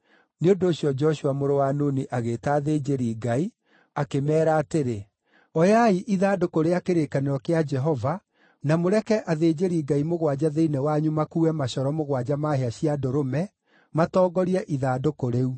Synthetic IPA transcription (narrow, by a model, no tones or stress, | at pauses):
neondoːɕjɔd͡ʒɔɕuamoɾowanoniʔaɣeːtaːðeːd͡ʒeɾiːɡai | akemɛːɾaːteɾe | ɔjaiʔiðaːdokoɾeakeɾeːkaneɾɔkead͡ʒɛɦɔva | namoɾɛkɛʔaðeːd͡ʑeɾiːɡaimoɣwad͡ʑaðeinɛwaɲumakuːɛmaɕɔɾɔmoɣwad͡ʑamaɦeaɕiadoɾomɛ | matɔːɡɔɾiɛʔiðaːdokoɾeu